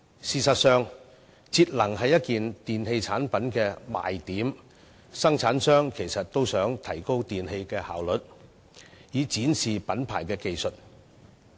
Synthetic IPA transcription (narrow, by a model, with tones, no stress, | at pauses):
siː˨sɐ˨t̚sœː˨ŋ | t͡siː˧t̚lɐ˨˩ŋɦɐ˨jːɐ˥t̚kiː˨nt̪iː˨nhe˧jt͡sʰaː˨˥npɐ˨˥nkɛː˧ma̰ː˨jt̪iː˨˥m | sɐ˥ŋt͡sʰaː˨˥nsœː˥ŋkʰe˨˩jsɐ˨t̚t̪o˥wsœː˨˥ŋt̪ʰɐ˨˩jko˥wt̪iː˨nhe˧jkɛː˧ha̰ː˨˩wlɵ˨˥t̚ | jiː˨˧t͡siː˨˥nsiː˨pɐ˨˥npʰa̰ː˨˩jkɛː˧ke˨jsɵ˨t̚